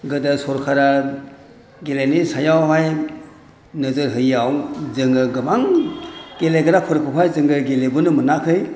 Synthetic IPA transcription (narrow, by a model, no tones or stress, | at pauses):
ɡɯdasɔɾkʰaɾa | ɡelenisajawɦaj | nɯzɯɾɦɯjawzɯŋɡɯɡɯmaŋ | ɡelejɡɯɾakʰɔɾkʰɯpʰajzɯŋɡɯɡelebunɯmɯnakʰɯj